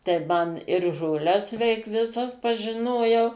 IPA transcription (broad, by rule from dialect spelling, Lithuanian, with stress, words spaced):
tɐɪ mɐn ɪr ʒoːˈlʲɛs ʋʲɛɪk ʋʲɪˈsɐs pɐʒʲɪˈnoːjɛʊ